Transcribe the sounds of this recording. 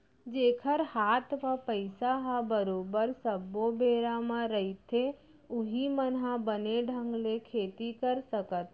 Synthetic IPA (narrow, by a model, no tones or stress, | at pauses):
d͡ʒeːkʰəɾhaːt̪ʰmãpəɪsaɦabəɾoːbəɾsəbːobeːɾamãɾəɦit̪ʰe | ʊɦimənɦãbəneɖʱə̃ŋɡlekʰeːt̪ikəɾsəkət̪̚